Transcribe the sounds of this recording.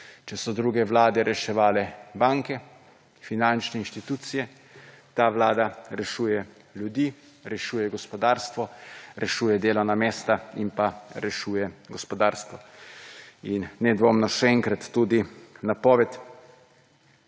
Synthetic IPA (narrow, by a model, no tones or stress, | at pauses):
t͡ʃɛsɔd̪ɾuːɡɛʋlaːd̪ɛɾʔɛʃɛʋaːlɛbaŋkɛ | finant͡ʃnɛinʃt̪it̪uːt̪sijɛ | t̪aːʋlaːd̪aɾɛʃuːjɛ | lʲjud̪iː | ɾɛʃuːjɛɡɔspɔd̪aːɾst̪ʋɔɾʔɛʃuːjɛd̪eːlɔwnameːst̪ainpaɾɛʃuːjɛɡɔspɔd̪aːɾst̪ʋɔ | inːɛd̪ʋoːmnɔʃɛɛŋkɾat̪ːuːd̪inapɔːʋɛt̪